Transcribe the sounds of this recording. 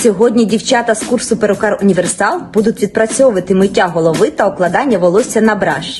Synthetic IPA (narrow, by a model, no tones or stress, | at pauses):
sʲɔɦɔdʲnʲidʲiwt͡ʃat̪ɐskursʊpeɾɔkɑrʊnʲiʋersɑlˠbud̪ʊtʲʋʲid̪̚pɾɐt͡sʲɔʋɐt̪ɪmɪtʲːaɦɔlˠɔʋɪt̪ɐɔklˠɐd̪ɑnʲːɐʋɔlˠɔsʲɐnɐbɾɑ̰ʃi̥